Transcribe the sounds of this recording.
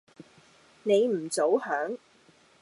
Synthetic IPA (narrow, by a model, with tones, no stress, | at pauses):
ne˨˧jm̩˨˩t͡so˨˥whœː˨˥ŋ